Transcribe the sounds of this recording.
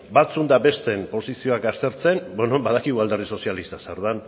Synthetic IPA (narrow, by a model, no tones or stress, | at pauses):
bat͡sund̪abe̞st̪e̞mpo̞sisio̞akast̪e̞ɾt͡se̞mbwenombaðakiɣuald̪erðiso̞sialist̪asaɾð̞an